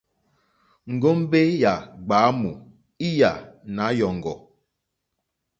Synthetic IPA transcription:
ŋ̩˨ɡo˦m˦be˦ja˨ɡ͡baː˨˦mu˨ | i˦ja˨na˨˦jɔ˨ŋ˨ɡɔ˨

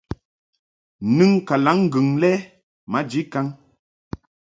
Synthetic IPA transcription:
nɨ˦ŋka˨la˨˦ŋ˦ɡʉ˨ŋlɛ˦ | ma˨˦d͡ʒi˨˦ka˦ŋ

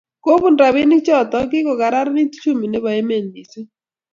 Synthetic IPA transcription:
ko˦βu˦˨ndɾa˨βi˦nɪ˦t͡ʃɔ˦t̪ɔ˦kɪ˦kɔ˨ka˨ɾa˦ɾa˦ni˦tt͡ʃu˦mi˨ne˦βɔ˨e˦me˨nːi˨se˦

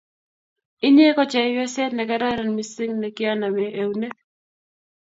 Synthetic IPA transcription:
ɪ˦ɲe˦kɔ˦t͡ʃɛ˨˦jwɛ˦sɛ˦tnɛ˨kɛ˦ɾa˦ɾɛ˨nmi˨si˦ŋnɛ˨kɪ˦a˦na˨mɛ˨ʔe˨wne˦k

